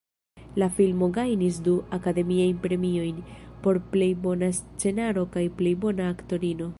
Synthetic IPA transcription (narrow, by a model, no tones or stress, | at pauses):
lafilmo̞ɡajnis̬duakade̞miajnpɾe̞mio̞jnpo̞ɾple̞jbo̞nast͡se̞naɾo̞kajple̞jbo̞naːkto̞ɾino̞